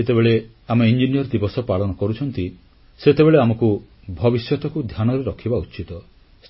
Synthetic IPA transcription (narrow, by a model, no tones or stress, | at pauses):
et̪ebeɭe | amɔind͡ʒinijɔɾd̪ibɔsɔpaɭɔnɔkɔɾut͡ʃʰɔnt̪i | set̪ebeɭeamɔku | bʱɔbisjɔt̪ɔkud̪ʱjanɔɾeɾɔkʰibaut͡ʃit̪ɔ | s